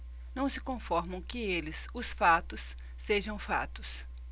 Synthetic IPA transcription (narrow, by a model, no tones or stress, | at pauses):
nɐ̃w̃sɪkõfɔɾmɐ̃w̃kɪelɪsʊsfat̪ʊsː | eʒɐ̃w̃fa̰t̪ʊs